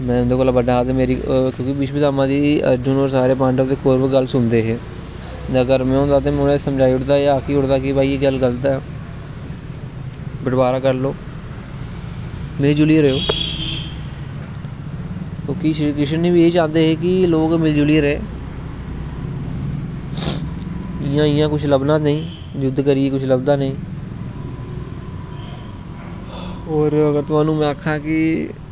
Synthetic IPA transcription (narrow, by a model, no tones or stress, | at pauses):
mɛ̃ːʊnd̪eːkoːlaːbəɖaːd̪emeːɾiːkjõːkɪbiʃʋiːt̪aːmãːd̪iːə̰ɾd͡ʒʊnoːɾsaːɾeːpãːɳɖəʋt̪eːkʰoːɾbəɡəlsʊnd̪eːɦeː | əɡəɾmɛ̃ːɦõːnd̪aːt̪eːmʊnẽːsəmd͡ʒaːiːʊʈd̪aːaːkiːʊɽd̪aːkɪpaːieɡəlɡəlt̪aː | bəʈbaːɾaːkəɾloː | meld͡ʒʊliːɾeːoː | kõːkɪʃkɪʃənːiːbiːeːd͡ʒãːnd̪eːɦeːkɪloːkmɪld͡ʒʊliːɾẽː | ɪjãːɪjãːkʊt͡ʃʰləbnãːnəĩː | d͡ʒʊd̪kəɾɪeːkʊt͡ʃʰləbd̪aːnəĩː | oːɾəɡəɾt̪ʊaːnũːmɛ̃ːəkʰːãːkɪ